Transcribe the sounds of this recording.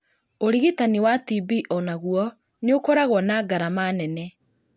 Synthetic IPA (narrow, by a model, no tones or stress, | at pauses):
oɾiɣitaniwatibiʔɔnaɣuɔ | neokoɾaɣwɔnaːɡaɾamanɛnɛ